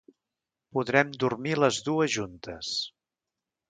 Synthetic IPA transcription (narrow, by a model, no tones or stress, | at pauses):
puðɾɛmd̪urmiləzðuəzʒunt̪əs